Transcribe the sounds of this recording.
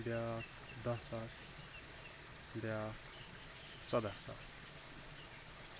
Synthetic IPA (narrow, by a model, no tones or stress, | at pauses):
bjak | d̪ʌsas | bjak | t͡sɔd̪asa̰s